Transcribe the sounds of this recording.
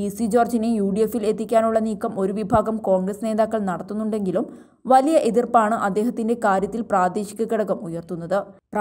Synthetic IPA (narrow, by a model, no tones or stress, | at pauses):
isid͡ʑo̞ːrd͡ʑɐnejuːɖije̞fːile̞t̪ːikʲːaːnuɭːɐniːkːɐmo̞ɾuʋibʱaːɡɐmko̞ːŋɡrɐsne̞ːðaːkːɐɭnɐɽɐt̪ːunːuɳɖe̞ŋɡilum | ʋɐlijɐʔe̞ðirpaːɳɨʔɐd̪ːe̞ːɦɐt̪ːinde̞kaːɾjɐt̪ːilpraːd̪eːɕi̥kʲːɐkːɐɽɐkːɐmujɐrt̪unːɐðɨpr